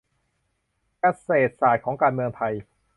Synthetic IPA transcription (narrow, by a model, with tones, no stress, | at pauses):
ka˧seː˨˩t̪̚saː˨˩t̪̚kʰɔː˩˦ŋkaː˧nmɯ˧əŋpʰa˧j